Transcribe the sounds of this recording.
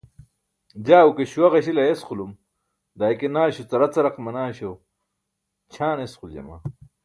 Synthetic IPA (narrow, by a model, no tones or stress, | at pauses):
d͡ʑaːukeɕuwɐʁɐɕilɐjesqulum | d̪aːjkenaːɕut͡sɐɾɐt͡sɐɾɐqmɐnaːɕow | t͡ɕʰaːnesquld͡ʑɐ̰ma̰ː